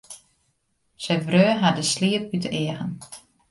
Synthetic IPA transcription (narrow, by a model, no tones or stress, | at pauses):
sɛjvrøːɦadəsliːəp̚bytəʔɪəɣən